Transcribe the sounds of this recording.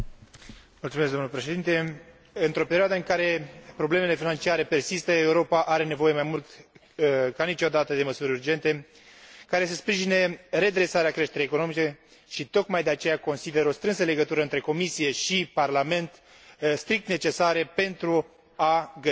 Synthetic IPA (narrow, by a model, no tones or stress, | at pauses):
mult̪sumesɡd̪onulepɾe̞ʃe̞d̪int̪e̞ | ɨnt̪ɾo̞pe̞ɾioad̪əɨŋkaɾe̞pɾo̞ble̞me̞le̞finant͡ʃiaɾe̞pe̞rsist̪əe̞uɾo̞paʔaɾe̞ne̞vo̞je̞majmult̪ | kanit͡ʃo̞d̪at̪əd̪e̞məsuɾʲurd͡ʒe̞nt̪e̞ | kaɾe̞səspɾiʒineɾe̞d̪ɾe̞saɾeakɾe̞ʃt̪eɾejekono̞mit͡ʃe | ʃit̪o̞kmajd̪e̞at͡ʃe̞jako̞nsid̪e̞ɾo̞st̪ɾɨns̬əle̞ɡət̪uɾəɨnt̪ɾe̞ko̞misije̞ʃiparlame̞nt̪ | st̪ɾik̚t̪ne̞t͡ʃe̞saɾepe̞nt̪ɾu | aɡə